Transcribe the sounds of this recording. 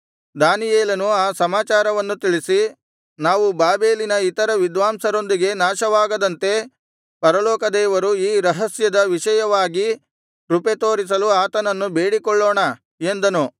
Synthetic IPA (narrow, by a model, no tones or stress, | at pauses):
d̪aːnijeːlɐnuaːsɐmaːt͡ʃaːɾɐʋɐnːut̪iɭisi | naːʋubaːbe̞ːlinɐit̪ɐɾɐʋid̪ʋaːmsɐɾo̞nd̪iɡe̞naːʃɐʋaːɡɐd̪ɐnt̪e̞ | pɐɾɐlɔːkɐd̪ɛːʋɐɾuiːɾɐɦɐsjɐd̪ɐʋiʃɐjɐʋaːɡi | ɾupet̪o̞ːɾis̬ɐluaːt̪ɐnɐnːube̞ːɽikɔɭːɔːɳɐ | e̞nd̪ɐnu